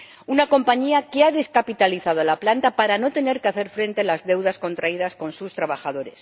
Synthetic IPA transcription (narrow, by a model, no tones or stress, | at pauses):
unako̞mpaɲiakeaðe̞skapit̪aliθað̞oalaplant̪apaɾano̞t̪e̞ne̞ɾkeaθe̞ɾfɾe̞nt̪elazðe̞wðasko̞nt̪ɾaið̞asko̞nsust̪ɾaβ̞axaðo̞ɾe̞s